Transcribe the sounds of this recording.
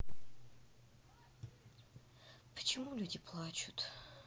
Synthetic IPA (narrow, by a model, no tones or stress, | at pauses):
pʰə̥t͡ʃʰimulʲud̪ʲipʰlˠat͡ʃʰut̪ʰ